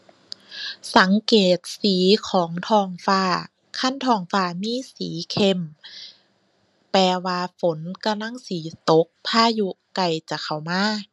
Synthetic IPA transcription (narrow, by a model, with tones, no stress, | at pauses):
sa˨˩˦ŋkeː˨˩t̪̚siː˨˩˦kʰɔː˨˩˦ŋt̪ʰɔː˧˩ŋfaː˧˩ | kʰa˧˥˨nt̪ʰɔː˧˩ŋfaː˧˩miː˧˥˨sḭː˨˩˦kʰe˧˨m | pɛː˧waː˧fo˨˦nka˧mla˧˥˨ŋsiː˩˦t̪o˨˦k̚pʰaː˧˥˩ju˧ | ka˧˩jt͡ɕa˨˩˨kʰa˨˩wmaː˧˥˨